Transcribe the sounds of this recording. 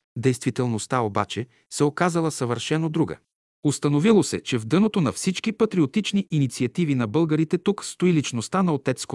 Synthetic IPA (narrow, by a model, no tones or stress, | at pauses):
d̪ɛjst̪vit̪ɛlˠnost̪aoba̰t͡ʃɛ | sɛokazəlˠəsɐvəɾʃɛnod̪ɾuɡə̰ | ost̪ɐnovilˠosɛt͡ʃɛvd̪ɤnot̪onɐfsit͡ʃkipɐt̪ɾiot̪it͡ʃniʔinit̪siɐt̪ivinɐbɤlˠɡəɾit̪ɛt̪ukst̪oilit͡ʃnost̪anɐot̪ɛt̪sko